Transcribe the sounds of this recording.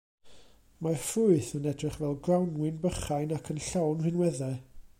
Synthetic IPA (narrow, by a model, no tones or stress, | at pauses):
mafʊɨθənɛdrɨχvɛlˠɡrawnwɪnbəχajnakʰənɬawnrɪnwɛðɛ